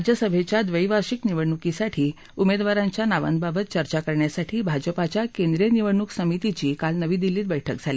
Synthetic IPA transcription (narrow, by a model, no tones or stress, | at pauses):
d͡ʑjəsəbʱet͡ɕjad̪ʋəjʋaɾɕikniʋəɽɳukisaʈʰiː | umed̪ʋaɾãɲt͡ɕjanaʋə̰nd̪̚babət̪̚t͡ɕəɾt͡ɕakəɾɳjasaʈʰiːbʱad͡ʑəpat͡ɕjakẽnd̪ɾeniʋəɳuksəmit̪it͡ɕiːkalnəʋiːd̪ilːiːt̪bəjʈʰək̚d͡zʱali